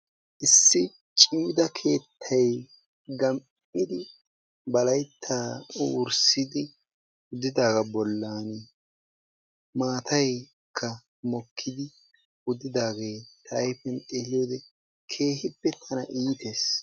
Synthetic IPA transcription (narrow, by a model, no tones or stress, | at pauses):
ʔɪsːɪ | t͡ʃʼɪmɪd̪ɐkʰe̞ːt̪ʰːɐj | ɡɐm | ɪd̪ɪ | bɐlɐjt̪ʰːaːɾsɪd̪ɪ | ʊd̪ɪd̪aːɡɐbɔlːaːn | maːt̪ʰɐj | kʰːɐ | mɔkʰːɪd̪ɪ | ʊd̪ɪd̪aːɡe̞ːt̪ʰɐjfɛnelɪjoːd̪ɛ | kʰe̞ːhɪpːɛt̪ʰɐnɐʔiːt̪eːs